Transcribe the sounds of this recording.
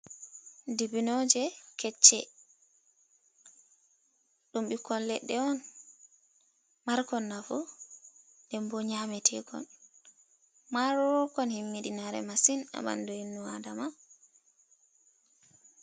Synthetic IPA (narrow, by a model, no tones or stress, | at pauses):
dibinɔd͡ʒɛkɛt͡ʃːɛ | ɗumɓikʰɔlːɛ̰ɗːɛɔn | maɾkɔnːafu | dɛmbɔɲamɛtʰɛkɔ̰n | maɾɔkɔnhimːiɗinaɾɛ̰masina̰ba̰nduinːuadama